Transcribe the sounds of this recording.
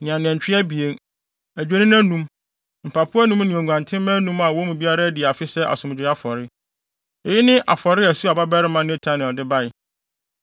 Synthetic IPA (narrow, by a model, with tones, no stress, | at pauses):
nɪ̃˨ã˨n˨ɛ̃˨ɲ˨t͡ɕᶣɪ˦æ˦bi˨e˦n | æ˨d͡ʑᶣe˦nĩ˦næ̃˦nũ˦m | m̩˨pʰa˨pʰʊ˦a˦nũ˦mnɪ̃˨ɔ̃˨ɡʷã˨ntʰɪ̃˦m˦mæ̃˦nũ˦ma˨wɔ˦mũ˨bi˦a˦ɾa˦dɪ˨a˨fɪ˦sɛ˦ʔa̰˨sʊ̃˨m˨d͡ʑᶣɪ˨˦a˦fɔ˨ɾɪ˦ | ɛ˨jɪ˦nɪ̃˦ʔa̰˨fɔ˨ɾɪ˦æ˨su˦a˨ba˦bɛ˦ɾɪ˦mã˦nɛ̃˦tʰa˦nɛ˨dɪ˦ba˦ɪ˨